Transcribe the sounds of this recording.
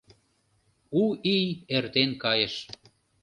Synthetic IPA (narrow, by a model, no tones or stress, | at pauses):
uijert̪enkɑjeʃ